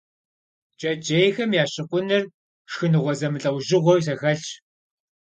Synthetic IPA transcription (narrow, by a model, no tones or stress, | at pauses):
t͡ʃʼɐd͡ʒʼeːjxɐmjaːɕɪqʷʼʊnɨr | ʂxɨnɨʁʷɔzɐmɨɬʼɐwʒɪʁʷɔws̬ɐxɐɮt͡ʃ